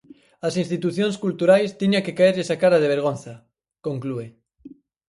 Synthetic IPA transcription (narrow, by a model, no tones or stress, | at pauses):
ɐsĩnst̪it̪uθjõnskult̪uɾajst̪iɲaŋkekaeɾʎesakaɾɐðeβ̞eɾɣ̞onθɐ | kõŋklue